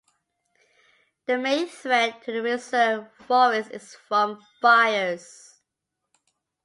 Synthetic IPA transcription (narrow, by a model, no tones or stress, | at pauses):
ðəmẽɪ̃nθɹɛt̚tʰəðəɹɪsəfɔɹɪsɪ̰z̥fɹə̃m | faɪəz̥